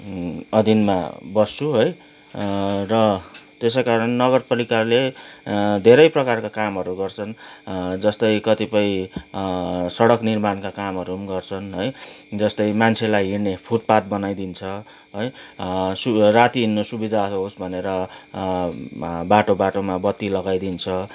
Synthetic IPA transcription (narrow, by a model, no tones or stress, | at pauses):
ʌd̪ʱinma̰bʌst͡sʰuɦʌj | rʌt̪eskaɾʌnːʌɡʌrpalikarle | d̪ʱeɾʌjprʌkarkakamɦʌɾuɡʌrt͡sʰʌnd͡zʌst̪ʌjkʌt̪ipʌj̃ | sʌɽʌknirmankakamɦʌɾumɡʌrt͡sʰʌnɦʌjd͡zʌst̪ʌjmant͡sʰelajɦirnepʰut̪̚pat̪̚bʌnajd̪int͡sʰʌ | ɦʌjsurat̪iinːosubid̪ʱaɦosbʱʌneɾʌ | baʈobaʈomabʌt̪ːilʌɡajd̪int͡sʰʌ